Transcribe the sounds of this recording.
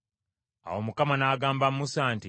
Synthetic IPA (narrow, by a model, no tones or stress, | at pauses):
a̰womukamanaːɡaːmbamːusaːnti